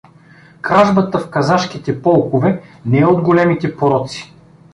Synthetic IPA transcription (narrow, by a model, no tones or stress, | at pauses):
kɾaʒbət̪əfkɐzaʃk̟it̪ɛpɔlˠkovɛnɛɛod̪ɡolɛmit̪ɛpoɾɔt̪si̥